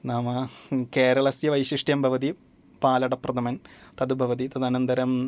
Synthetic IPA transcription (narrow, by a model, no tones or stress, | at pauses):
naːmɐkeːɾɐɭɐsjɐʋɐjɕiʂʈjɐmbʱɐʋɐd̪i | paːlɐɽɐprɐd̪ɐmɐnt̪ɐd̪ubʱɐʋɐd̪it̪ɐd̪ɐnɐnd̪ɐɾɐm